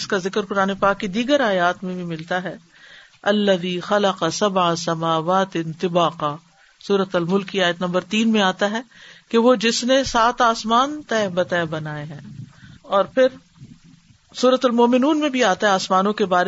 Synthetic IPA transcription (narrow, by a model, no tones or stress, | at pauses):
ɪskazɪkəɾkʊɾaːnepaːkːid̪iːɡəɾaːjaːt̪mẽbʱimɪlt̪aɦɛ | ɐlːɐðiːxɐlɐqɑsɐbʕasɐmaːʋaːt̪ɪnt̪ɪbaːqaː | suːɾət̪ɐlmʊlkːiaːjət̪nɐ̃mbəɾt̪iːnmẽaːt̪aɦɛːkeʋod͡ʒɪsnesaːt̪aːsmaːnt̪ɛːbɐt̪ɛːbɐnaːeɦɛ̃ːɔːɾpʰɪɾ | suːɾət̪ɐlmoːmɪnuːnmẽbʱiaːt̪aɦɛaːsmaːnõkebaːɾe